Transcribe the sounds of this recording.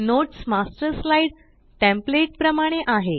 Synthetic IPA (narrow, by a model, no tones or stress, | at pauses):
noʈsmasʈɾəslaiɽ | ʈẽmpleʈ̚pɾəmaɽ̃eʔaɦe